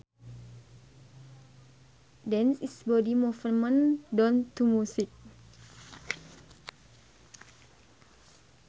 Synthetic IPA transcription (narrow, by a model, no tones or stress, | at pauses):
dɛnsisbɔdimɔfəməndɔnt̪umusik̚